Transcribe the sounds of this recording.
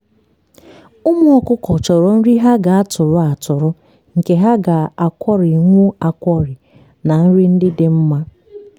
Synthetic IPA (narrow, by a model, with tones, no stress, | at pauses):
ʊ˦mʊ˦ɔ˦kʊ˦kɔ˨t͡ʃɔ˨ɾɔ˨n̩˦ɾi˦ɦa˦ɡa˨a˦tʊ˨ɾʊ˨a˨tʊ˨ɾʊ˦ | ŋ̩˨ke˨ɦa˦ɡa˨a˨kʷɔ˦ɾi˨ŋʷu˦a˨kʷɔ˦ɾɪ˨ | na˨n̩˦ɾi˦n̩˦dɪ˦dɪ˦m̩˦ma˦